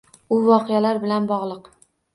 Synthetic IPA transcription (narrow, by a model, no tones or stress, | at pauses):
ʊvɒqʰɨjalaɾbɪlanbɒʁlˠɨq